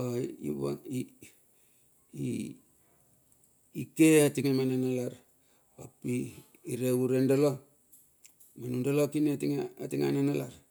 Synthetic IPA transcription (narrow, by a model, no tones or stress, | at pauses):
oḭβa̰ŋi | i | ikeatiŋamanenalaɾ | apiː | ɾeuɾendalo | manundalokinetiŋaatiŋa̰nenala̰ɾ